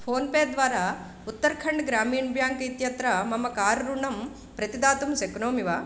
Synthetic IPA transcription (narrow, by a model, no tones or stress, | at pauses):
pʰoːnpeːɾd̪ʋaːɾaː | ut̪ːɐɾkʰɐɳɖɡɾaːmiːɳbʱjaːŋkɐit̪jɐt̪ɾɐmɐmːɐkaːɾɾuɳɐm | pɾɐt̪id̪aːt̪umseknoːmiʋaː